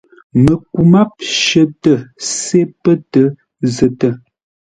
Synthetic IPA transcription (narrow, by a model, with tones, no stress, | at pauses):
mə˨ku˨ma˦p̚ʃə˨tə˨se˦pə˦tə˦ | zə˨tə˦˨